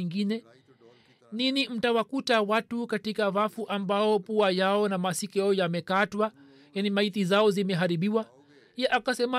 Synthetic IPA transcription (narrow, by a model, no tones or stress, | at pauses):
ŋɡinɛ | ninim̩tawakutawatukatikavafuʔambaɔpuajaɔnamasikɛɔjamɛkatwa | janimaiθizaɔzimɛɦaɾiɓiwa | ɛʔakasɛma